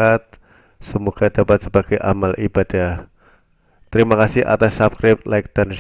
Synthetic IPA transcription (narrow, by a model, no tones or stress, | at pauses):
at̪̚ | səmoɡ̥ad̥apat̪̚səbaɡ̥ajʔa̰malʔib̥ad̥ah | t̪əɾimakasɪhʔa̰t̪asːapkɾɪp̪̚laɪk̚d̪̥ans